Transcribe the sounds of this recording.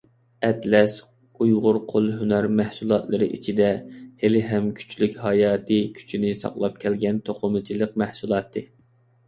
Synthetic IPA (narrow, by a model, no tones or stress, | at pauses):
ɛt̪lɛs | ujʁʊɾqʰolˠɦynæɾmæhsulˠɑt̪lˠɨɾɨʔit͡ʃʰid̪ɛhelɪɦɛmkʲʰy̥t͡ʃʰlykʲhɑjɑːt̪ʰɨkʲʰy̥t͡ʃʰinɪsɑ̰qlˠɑp̚kʲʰɛlɡʲɛnt̪ʰoqʰʊmɨt͡ʃʰilˠəq̚mæhsulˠɑːt̪ʰːɨ